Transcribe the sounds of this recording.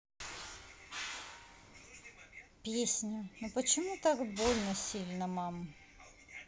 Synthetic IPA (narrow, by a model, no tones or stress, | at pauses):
pʲesʲnʲʊnupət͡ɕɪmut̪akbolʲnəsʲilʲnəmam